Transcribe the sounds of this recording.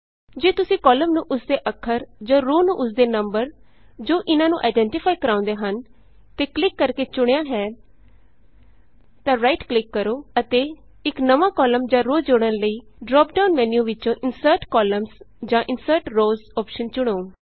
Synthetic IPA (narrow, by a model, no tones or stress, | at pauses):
d͡ʒeːt̪ʊsĩːkɔːləmnũːʔʊsd̪eːʔəkʰːəɾd͡ʒãːɾoːnũːʔʊsd̪eːnəmbəɾ | d͡ʒoːʔɪnãːnũːʔa̰ːɪɖɛ̃ɳʈɪpʰaːikəɾãːʊ̃nd̪eːɦən | t̪eːklɪkːəɾkeːt͡ʃʊɽ̃jãːɦɛː | t̪ãːɾaːiʈklɪkːəɾoːət̪eː | ɪknəʋãːkɔːləmd͡ʒãːɾoːd͡ʒoːɽ̃ənləiːɖɾɔːp̚ɖaːʊnmɛːnijũːʋɪt͡ʃõːʔɪnsəɾʈkɔːləmzd͡ʒãːʔɪnsəɾʈɾoːzɔːpʃənt͡ʃʊɽ̃oː